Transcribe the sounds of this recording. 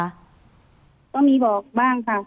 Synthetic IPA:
t̪ɔ˥˩ŋmiː˧˥bɔː˨˩k̚baː˥˩ŋkʰa˧˩

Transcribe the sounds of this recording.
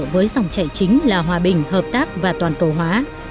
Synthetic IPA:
vəː˨˦jza˨˩wŋ͡mt͡ɕa̰˧˨jt͡ɕï˨˦ŋ̟laː˨˩ɦwaː˨˩ɓï˨˩ŋ̟ɦəː˨˩p̚t̪aː˦˥k̚vaː˨˩t̪waː˨˩nk̪o˨˩ɦwaː˨˦

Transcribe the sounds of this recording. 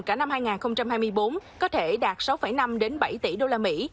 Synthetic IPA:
kaː˧˩na˧mhaː˧jŋaː˨˩xə˧wŋ͡mt͡ɕa˧mhaː˧jmɨ˧jɓo˨˦nkɔ˨˦t̪ʰe˧˩ɗaː˨˩t̚sa˨˦wfə˧˩jna˧mɗe˨˦nɓa˧˩jt̪ḭ˧˩ɗo˧laː˧mḭ˧˥

